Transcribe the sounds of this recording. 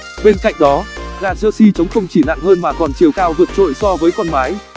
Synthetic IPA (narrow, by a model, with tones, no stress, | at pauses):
ɓe˧nka̰˧˨jŋ̟̚ɗɔ˨˦ɣaː˧˩zə˧si˧t͡ɕə˨˦wŋ͡mxə˧wŋ͡mt͡ɕi˧˩na̰ː˧˨ŋhəː˧nmaː˨˩kɔ˨˩nt͡ɕi˨˩əwkaː˧wvɨ˨˩ət̚t͡ɕo̰˧˨jsɔ˧vəː˨˦jkɔ˧nmaː˨˦j